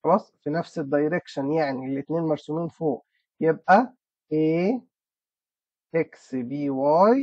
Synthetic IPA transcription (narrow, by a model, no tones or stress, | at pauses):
xɑlɑːsˤfinæfsed̪ːɑjɾekʃænjaʕnilːet̪neːnmɑɾˤsumiːnfoːʔ | jeb̚ʔæ | ʔeː | heksbiːwæːj